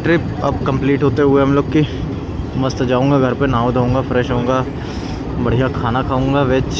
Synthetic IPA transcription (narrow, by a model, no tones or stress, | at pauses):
ʈɾɪp | ɐb̚kɐ̃mpliːʈɦoːt̪eɦʊeɦɐmloːɡki | mɐst̪d͡ʒaːũːŋɡaɡʱɐɾpenaːod̪ʱɦõːŋɡafɾɛːʃɦõːŋɡa | bɐɽ̤ijakʰaːnakʰaːũːŋɡaʋeːt͡ʃ